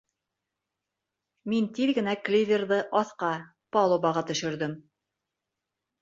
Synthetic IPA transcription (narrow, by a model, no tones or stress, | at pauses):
mint̪iðɡɘ̆næklʲivʲerðɤʔɑθqɑ | pɑlˠobɑʁɑt̪ɵ̆ʃɘ̆ɾðɘm